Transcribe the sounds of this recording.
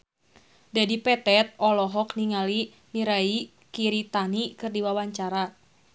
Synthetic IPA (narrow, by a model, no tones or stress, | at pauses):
dadipɛt̪ɛt̪̚ɔlɔɦɔkniŋali | niɾai | kiɾit̪anikɨrdiwawaɲt͡ʃaɾa